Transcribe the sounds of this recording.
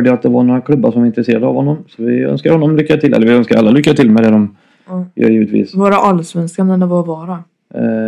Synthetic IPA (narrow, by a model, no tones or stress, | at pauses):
ɖəjaat̪̚d̪ɛvaɳoːɾakʰlɵbːaʂɔmaɾɪnt̪ɾəɛseːɾad̪əa̰vhɔnːɔmsɔvɪœ̰nskaɾhɔnːɔmlʏkːaʈ̪ʰɪlʔɛ̰ːəvɪœnskaɾʔalːalʏkːaʈ̪ʰɪlmɛd̪ɛd̪ɔm | jœ̰ːɾjiːvət̪vḭːsvoːɾaʔalːsvɛnskand̪ɛnəvaɔvɑːɾa